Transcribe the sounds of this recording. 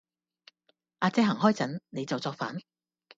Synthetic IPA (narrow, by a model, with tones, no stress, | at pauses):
ʔaː˨˧t͡sɛː˧ɦɐ˨˩ŋɦɔː˥˩jt͡sɐ˨˥nne˨˧jt͡sɐ˨wt͡sɔː˧k̚fa̰ː˨˥n